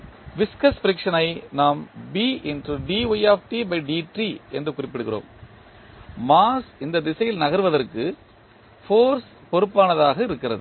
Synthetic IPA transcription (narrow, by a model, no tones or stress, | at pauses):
ʋɪskɐsfɪɾɪkʂɐnɐɪnaːmbiːɪnʈuɖiːʋɐjaːfʈibɐɪɖiːʈriɛndrɯkʊrɪpːɪɽɯɣɪro̰ːm | maːsɪnd̪ɐd̪ɪsɐjɪlnɐɣɐɾɯʋɐðɐrkɯ | foːɾs | pɔɾɯpːaːnɐðaːɣɐɪɾɯkːɪrɐ̰ðɯ